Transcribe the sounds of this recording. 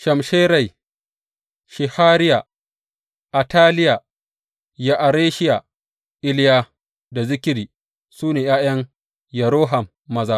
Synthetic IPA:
ʃɐ˨mʃeː˦ɾa˨j | ʃɪ˨haː˦ɾɪ˦ja˨ | ʔa˨taː˦lɪ˦ja˨ | ja˦ʔa˨ɾeː˦ʃɪ˦ja˨ | ʔɪ˦lɪ˦jaː˦ | da˨zɪ˦kʲɪ˦ɾiː˨ | suː˦neː˨jaː˦j̰ɐ˦ŋ | jɐ˨ɾoː˦ɦa˨mːɐ˦zaː˦

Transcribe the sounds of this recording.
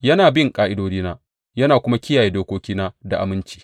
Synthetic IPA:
jɐ˦naː˨bɪ˦˨ŋkʼaː˦ʔɪ˦doː˦diː˦naː˦ | jɐ˦naː˨kʷʊ˦ma˦kʲɪ˦jaː˨jeː˦doː˦kʷoː˦kʲiː˦naː˦da˨ʔa̰˨mɪ˦nt͡ʃi̥ː˦

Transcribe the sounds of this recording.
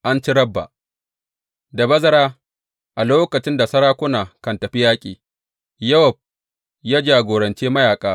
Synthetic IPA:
ʔa˦nt͡ʃi˦ɾɐ˦bːa̰˨ʔ | da˨bɐ˦zɐ˦ɾaː˦ | ʔa˨loː˦kɐ˨t͡ʃɪ˦nda˨sɐ˦ɽaː˦kʷʊ˦naː˨kɐ˨ntɐ˨ɸi˦jaː˦kʲʼiː˨ | jɐ˦wɔ˨b̚ | jaː˦d͡ʒaː˨ɡʷoː˨ɾɐ˨nt͡ʃeː˦mɐ˦jaː˨kʼaː˦

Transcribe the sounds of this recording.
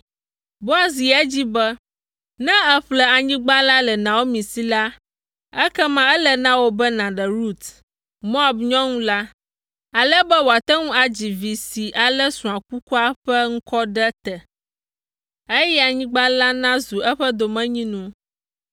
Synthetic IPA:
bo˦a˨s̬i˨ɛ˦d͡ʑi˦bɛ˦ | nɛ̃˦ɛ˦ɸlɛ˦a˨ɲĩ˦ɡ͡ba˦la˦lɛ˨nã˨wo˦mĩ˨si˨la˦ | ɛ˦kɛ˦mã˦ɛ˦lə˦˨nã˦wo˦bɛ˦nã˨ɖɛ˨ɾu˦˨t̪ | mo˦a˨bɲɔ̃˦ŋũ˦la˦ | a˨lɛ˦bɛ˦wo˨a˨t̪ɛ˦ŋũ˦a˨d͡ʑi˨vi˨si˨ʔa˨lɛ˦sũ˨a˨ku˦ku˦a˦ɸɛ˦ŋ̩˦kɔ˦ɖɛ˦t̪ɛ˨ | e˦jɛ˦a˨ɲĩ˦ɡ͡ba˦la˦nã˦zu˨ɛ˦ɸə˦d̪o˨mɛ̃˦ɲĩ˦nũ˦

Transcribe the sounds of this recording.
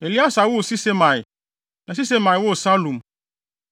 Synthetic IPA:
e˨li˦a˦sa˨˦wo˦˨si˦se˦mã˨ɪ˨ | nã˨s̬i˦se˦mã˨ɪ˨wo˦˨sa˦lũ˨m

